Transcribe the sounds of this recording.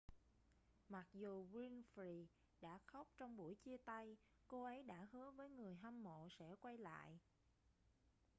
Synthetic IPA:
ma˨˩k̚zu˨˩ɣwi˧nfɾi˧˩ | ɗa̰ː˧˥xa˦˥wk͡p̚t͡ɕɔ˧wŋ͡mɓu˧˩əjt͡ɕi˧ət̪a˧j | ko˧ʔə˨˦jɗa̰ː˧˥hɨ˨˦əvəː˨˦jŋɨ˨˩əjɦa˧mːo̰˧˨sɛ̰˧˥kwa˧jla̰ː˧˨j

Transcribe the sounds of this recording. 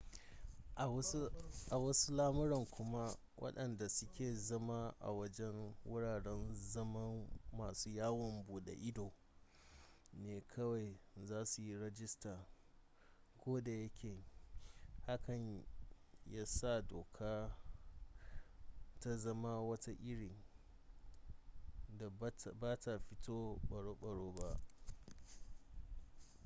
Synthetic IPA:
ʔa˨wɐ˦su˦laː˦mʊ˦ɾɔ˨ŋkʷʊ˦ma˦ | wʔɐ̰˦ɗɐ˨nda˨sʊ˦kʲeː˨zɐ˦ma˦ʔa̰˨wɐ˦d͡ʒɛ˦ŋwʊ˦ɽaː˨ɽɛ˦nzɐ˦mɐ˦mːaː˨suː˦jaː˦wɔ˨mbuː˨ɗa̰˨ʔɪ˦doː˨ | neː˨kʰɐ˦wa˨jzaː˦su˨ji˦ɽɛ˦d͡ʒɪ˦staː˨ | kʷoː˦da˨jɐ˦kʲeː˨ | ha˦kɐ˨ɲ | ja˦sa˦˨doː˨kʰaː˦ | ta˦zɐ˦ma˦wɐ˦ta˦ʔɪ˦ɽɪ˨ŋ | da˨baː˦ta˨ɸɪ˦tʰoː˦ɓɐ˨ɽoː˦ɓɐ˨ɽoː˦ba˦ʔ

